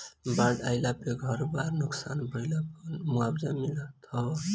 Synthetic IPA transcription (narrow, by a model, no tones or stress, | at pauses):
baɖajlapeɡʱʌɾbaɾnuksanbʱəilapmuabd͡ʒamilət̪ʰɔ